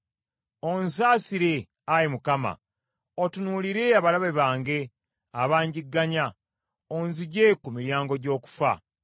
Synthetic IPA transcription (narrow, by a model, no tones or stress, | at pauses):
onsaːsiɾe̞ | ajimukama̰ | otunuliɾe̞aβalaβeβaːŋɡe̞ | aβaːɲɟiɡːaɲa | onziɟe̞kumiɾjaːŋɡo̞ɟo̞ːku̥fa̰